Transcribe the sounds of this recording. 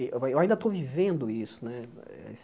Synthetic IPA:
aewaĩnd̪ɐt̪owvivẽnd̪ʊisʊ̥nɛ | ɛ̰s

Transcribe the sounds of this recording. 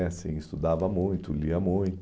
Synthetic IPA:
sḭ̃ɪst̪ud̪avɐmũj̃t̪ʊliɐmũj̃t̪

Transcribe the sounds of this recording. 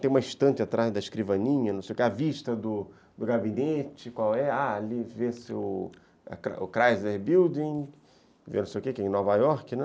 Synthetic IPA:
t̪ẽj̃ũmɐĩʃt̪ɐ̃t͡ʃɪat̪ɾazd̪ɐiʃkɾivɐ̃nĩɲɐnɐ̃w̃sejʊkeaviʃt̪ɐd̪ʊ | d̪ʊɡabinet͡ʃɪkwawɛaalivesɪʊ | a̰kɾaʊkɾajzleɾbiwd͡ʒĩ | vḛnõsejʊkekɪẽnɔvajɔɾkɪnɛ

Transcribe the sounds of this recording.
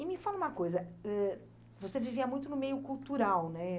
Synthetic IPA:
ɪmɪfalɐũmɐkojzɐɛ | voseviviɐmũj̃t̪ʊnʊmejʊkuwt̪uɾawnɛ

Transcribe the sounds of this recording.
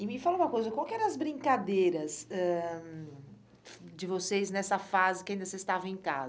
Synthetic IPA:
ɪmɪfaloũmɐkojzɐkwawkɪɛɾɐ̃ɐzbɾĩŋkad̪ejɾɐsɛ | d͡ʒɪvoseznɛsɐfazɪkɪaĩnd̪ɐsezst̪avɐ̃ẽka̰z

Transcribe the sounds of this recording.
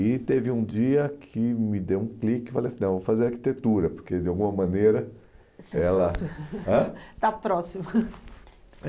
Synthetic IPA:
ɪt̪evɪũd͡ʒiɐkʰɪmɪd̪ewũklikɪfalejɐsĩnɐ̃w̃vofazeɾaɾki̥t̪et̪uɾɐpoɾked͡ʒɪawɡũmɐmɐ̃neɾɐ | ɛlɐɐ̃t̪apɾɔsimɐ

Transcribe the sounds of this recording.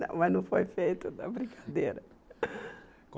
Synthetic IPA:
ɐ̰̃w̃mɐznɐ̃w̃fojfejt̪ʊd̪ɐbɾĩkʰḁd̪eɾɐ

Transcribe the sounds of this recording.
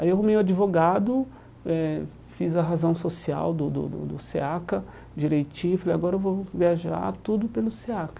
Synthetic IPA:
aiewɦũmejʊad͡ʒivoɡad̪ʊ | ɛ | fizɐɦazɐ̃w̃sosia̰wd̪ʊd̪ʊ̰d̪ʊ̰d̪ʊseakɐ | d͡ʒiɾejt͡ʃĩifalejaɡɔɾɐewvowviaʒa̰ɾt̪ud̪ʊpelʊseakɐ̥

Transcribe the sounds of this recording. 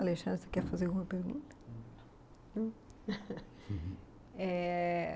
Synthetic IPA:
aleʃɐ̃nd̪ɾsekɛɾfazeɾɣumɐpeɾɣṵ̃nt̪ɐ̥ | nɐ̃ | ɛ

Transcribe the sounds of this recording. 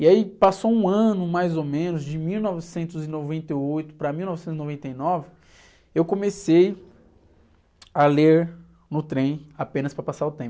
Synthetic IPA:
iaipasowũɐ̃nʊmajzomẽnʊzd͡ʒɪmiwnɔvɪsẽnt̪ʊzɪnovẽnt̪eojt̪ʊ̥pɾɐmiwnɔvɪsẽt̪ʊzɪnovẽnt̪ejnɔvɪ | ewkõmesej | aleɾ | nʊt̪ɾẽj̃apẽnɐspɾɐpasaɾʊt̪ẽmpʊ

